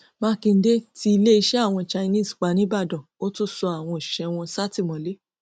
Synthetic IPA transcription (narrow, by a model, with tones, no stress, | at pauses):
mã˦kĩ˧n̩˦de˦ti˦i˧le˦i˧ʃɛ˦a˦˨w̃ɔ̃˧t͡ʃa˧nĩ˦˨sk͡pa˨˦nĩ˨˦ba˦˨dɔ̃˨o˦tu˦˨sɔ˧a˨w̃ɔ̃˧i˨i̥˨ʃɛ˨˧w̃ɔ̃˧sa˦ti˦˨mɔ̃˨˦le˨˦